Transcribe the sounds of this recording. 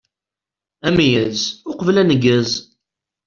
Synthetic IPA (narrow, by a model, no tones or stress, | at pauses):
æmijæzʊqəvlænəɡːæz